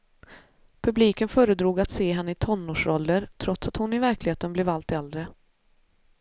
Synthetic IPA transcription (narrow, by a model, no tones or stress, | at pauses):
pʰɵbliːkənfœːɾəd̪ɾuːɡat̪seːɦɛnːəɪt̪ʰɔnːoːʂɾɔlːəɾt̪ʰɾɔt̪sat̪hʊnɪvæɾklɪheːt̪ənbleːvalt̪ɛld̪ɾə